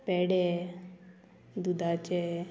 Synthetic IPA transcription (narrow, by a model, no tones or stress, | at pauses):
pɛːɽɛ | d̪ud̪at͡ʃɛ